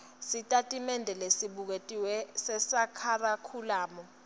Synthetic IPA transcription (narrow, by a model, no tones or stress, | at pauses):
sitʼatʼimɛndʱɛlesiɓuk̬etʼiwɛsɛsakʰarakʰulaːmɔ